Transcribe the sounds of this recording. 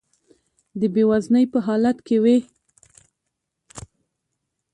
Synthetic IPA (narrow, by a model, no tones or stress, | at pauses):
d̪əbewaznəjpəɦɑlat̪kewe